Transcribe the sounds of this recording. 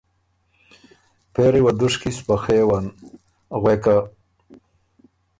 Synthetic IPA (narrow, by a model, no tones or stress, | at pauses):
peɾiwad̪uʂkispaxewan | ɣweka